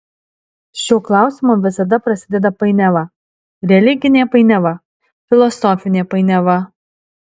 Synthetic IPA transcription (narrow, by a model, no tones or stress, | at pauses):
ʃʲuːklˠɑˑʊsʲɪmoʋʲɪsɐd̪ɐpɾɐsʲɪd̪ʲɛd̪ɐpɐɪnʲɛʋɐ | ɾʲɛlʲɪɡʲɪnʲeːpɐɪnʲɛʋɐ | fʲɪlˠɔsɔfʲɪnʲeːpɐɪnʲɛʋɐ